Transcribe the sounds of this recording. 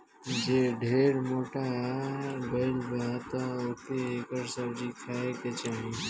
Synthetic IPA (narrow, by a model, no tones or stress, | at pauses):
d͡ʒeɖʱeːɾmoːʈa | beːlbet̪ə̃oːkeːkəɾsəbd͡ʒikʰaːeket͡ʃaːɦĩ